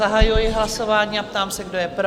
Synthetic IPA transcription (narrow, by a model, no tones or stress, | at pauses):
aɦajujɪɦlaso̞vaːɲiːap̚t̪aːmsɛɡdo̞jɛpɾo